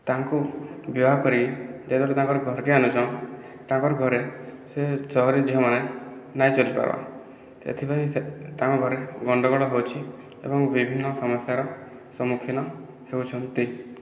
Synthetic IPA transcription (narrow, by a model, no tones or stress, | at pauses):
t̪aŋkubjɔɦakɔɾid͡ʒed̪ʱɔɾut̪aŋkɔɾɔɡʱɔɾkianud͡ʒaw | t̪ãŋkɔɾɔɡʱɔɾesesɔɦɔɾid͡ʒiɦɔmanenajt͡ʃolipa̰ɾba̰ | sḛt̪ʰipaĩset̪ãŋkɔɡʱɔɾeɡɔɳɖɔɡɔɽɔɦewt͡ʃʰi | ḛbɔŋbibʱinːɔsɔmɔsjaɾɔ | sɔmukʰinɔ | hewt͡ʃʰɔnt̪i